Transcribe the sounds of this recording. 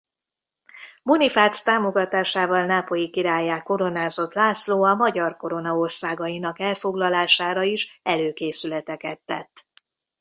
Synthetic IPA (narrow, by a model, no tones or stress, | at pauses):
monifaːt̪st̪aːmo̞ɡɒt̪aːʃaːvɒlnaːpo̞jikiɾaːjaːko̞ɾo̞naːzo̞t̪laːsloːɒmɒɟɒrko̞ɾo̞nɒo̞rsaːɡɒjinɒkɛlfo̞ɡlɒlaːʃaːɾɒiʃɛløːkeːsylɛt̪ɛkɛt̪ːɛ̰t̪ː